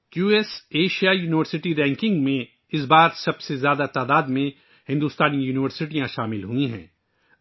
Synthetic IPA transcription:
juːɛːseːʃijajuːnɪʋəɾsɪʈiɾɛ̃ːŋkɪ̃ŋɡmẽ | ɪs̬baːɾsɐbsezjaːd̪at̪aːd̪aːd̪mẽ | hɪ̃nd̪uːst̪aːnijuːnɪʋəɾsɪʈijãʃaːmɪlɦuĩɦɛ̰̃ː

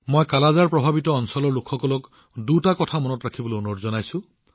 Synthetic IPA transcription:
mojkalazaɹpɹɔbʱabitɔːnsɔlɔɹlokʰxɔkɔlɔk | dutakɔtʰamɔnɔtɹakʰibɔloɔnɔɹzɔnajsũ

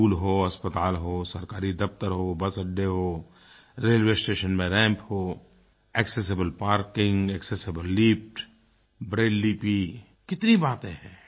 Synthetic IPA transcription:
uːlɦoːɐspət̪aːlɦoːsɐɾkaːɾid̪ɐft̪əɾɦoːbɐsəɖːeɦoː | ɾeːlʋesʈeːʃənmẽɾɛ̃ːmpɦoː | ɛkses̬ɪbəlpaːɾkɪ̃ŋɡɛːksesɪbəlːiːpʈ | bɾeːɖlipi | kɪt̪nibaːt̪ẽɦɛ̰̃ː

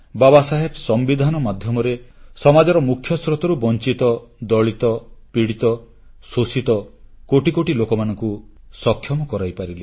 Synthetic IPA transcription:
babasaɦebɔsɔmbid̪ʱanɔmad̪ʱjɔmɔɾesɔmad͡ʒɔɾɔmukʰjɔsɾɔt̪ɔɾubɔnt͡ʃit̪ɔd̪ɔɭit̪ɔpiɽit̪ɔ | sosit̪ɔkoʈikoʈilokɔmanɔŋku | sɔkʰːjɔmɔkɔɾajpaɾili

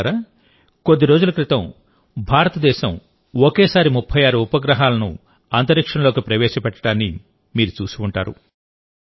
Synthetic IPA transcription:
ɾɐ | ko̞d̪ːiɾo̞ːd͡ʒulɐkɾit̪ɐ̃m | bʱaːɾɐt̪ɐd̪ɛːʃɐm | okeːsaːɾimupʰːɐjaːɾuːpɐɡɾɐɦaːlɐnṵ | aːnt̪ɐɾikʂɐɳɐlo̞ːkipɾɐʋɛːʃɐpɛʈːɐ̥ɽaːnːi | miːɾut͡ʃuːsuɳʈa̰ːɾṵ

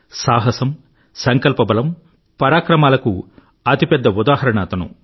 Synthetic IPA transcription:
saːɦɐsɐm | sɐŋkɐlpɐbɐlɐm | pɐɾaːkɾɐmaːlɐku | ɐt̪ipɛd̪ːɐud̪aːɦɐɾɐɳaːt̪ɐnṵ

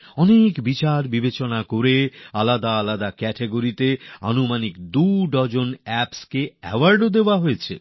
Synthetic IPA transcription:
ɔnekbit͡ɕaɾbibet͡ɕonakoɾealad̪aalad̪akɛʈeɡoɾit̪ea̰numanikd̪uɖɔd͡ʑonɛpskeɛ̰waɾɖod̪eoaɦojet͡ɕʰḛ

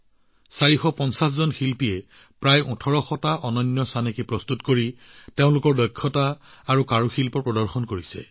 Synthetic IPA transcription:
saɹixɔpɔnsaszɔnxilpijɛ | pɹajũtʰɔɹɔxɔtaʔɔnɔnjɔsanekipɹɔstutkoɹi | teʊ̃lʊkɔɹdɔjkʰːɔtaːɹukaɹuxilpɔpɹɔdɔɹxɔnkoɹisɛ̰

